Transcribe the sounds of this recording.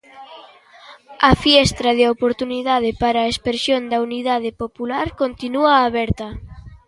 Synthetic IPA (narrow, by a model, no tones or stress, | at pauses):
ɐfiɛst̪ɾɐðeopoɾt̪uniðað̞ɪpaɾaːespeɾsjond̪ɐuniðað̞ɪpopulaɾkont̪inuaːβɛɾt̪ɐ